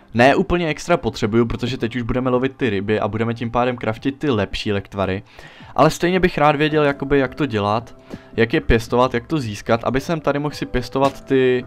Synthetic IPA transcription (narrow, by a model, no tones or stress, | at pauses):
nɛːʔuːpl̩ɲɛɛkst̪ɾapo̞t̪r̝̥ɛbujup̬ɾo̞t̪o̞ʒɛt̪ɛcuʒbudɛmɛlo̞vɪt̪ːɪɾɪbɪʔa̰budɛmɛc̬ɪmpaːdɛmkɾafcɪt̪̚ːɪlɛpʃiːlɛkt̪vaɾɪ | ʔa̰lɛst̪ɛjɲɛbɪxɾaːd̪vjɛɟɛljako̞bɪjakt̪o̞ɟɛlat̪jakjɛpjɛst̪o̞vat̪jak̚t̪o̞ziːskat̪ʔa̰bɪsɛmt̪adɪmoxsɪpjɛst̪o̞vat̪ːɪ